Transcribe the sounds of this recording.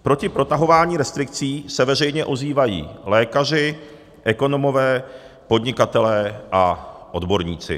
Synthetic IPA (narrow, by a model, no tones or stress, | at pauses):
pɾo̞cɪpɾo̞t̪aɦo̞vaːɲiːɾɛst̪ɾɪk̚t͡siːsɛvɛr̝ɛjɲɛʔo̞ziːvajḭːlɛːkar̝ɪ | ʔɛko̞no̞mo̞vɛː | po̞d̪ɲɪkat̪ɛlɛːʔaʔo̞dbo̞ɾɲiːt͡sɪ̰